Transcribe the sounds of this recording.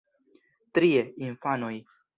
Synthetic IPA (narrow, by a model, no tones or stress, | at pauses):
t̪ɾieinfanoj